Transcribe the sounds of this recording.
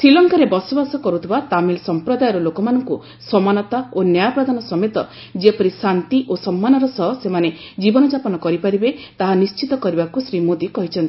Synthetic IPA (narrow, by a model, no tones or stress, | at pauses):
sɾilɔŋkaɾebɔsɔbasɔkɔɾut̪ʰibat̪amilsɔmpɾɔd̪ajɔɾɔlokɔmanɔŋku | sɔmanɔt̪aonjajapɾɔd̪ʱanɔsɔmet̪ɔ | d͡ʒepɔɾisant̪iʔosɔmːanɔɾɔsɔɦɔsemane | d͡ʒibɔnɔd͡ʒapɔnɔkɔɾipaɾibet̪aɦanist͡ʃit̪ɔkɔɾibakusɾimod̪ikɔɦit͡ʃʰɔnt̪i